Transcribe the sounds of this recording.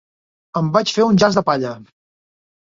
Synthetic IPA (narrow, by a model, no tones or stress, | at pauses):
əmbat͡ʃfeunʲʒazðəpaʎə